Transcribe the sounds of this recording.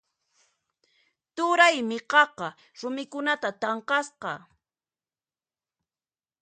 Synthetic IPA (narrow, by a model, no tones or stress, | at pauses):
t̪ʊɾajmɪqɑqɑ | ɾʊmɪkʊnat̪at̪ɑɴqɑsqɑ